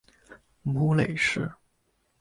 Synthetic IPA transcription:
mu˧˥le˨˩ɪʂɻ̩˥˩

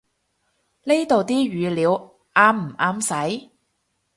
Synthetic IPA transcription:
le˥jt̪o˨wt̪iː˥ɥyː˨˧liː˨˧w | ʔaː˥mm̩˨˩ʔaː˧msɐ˨˥j

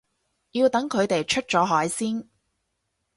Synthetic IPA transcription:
jiː˧wt̪ɐ˨˥ŋkʰɵ˨˧ɥt̪e˨jt͡ʃʰɵ˥t̚t͡sɔː˨˥ɦɔː˨˥jsiː˥n

